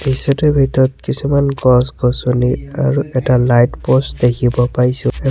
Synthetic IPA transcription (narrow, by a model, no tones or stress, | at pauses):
bisɔtubʱitɔɔt̚kisumanɡɔsɡɔsɔniaɹuʔɛtalajtpostdekʰibɔpaɹisʊ̃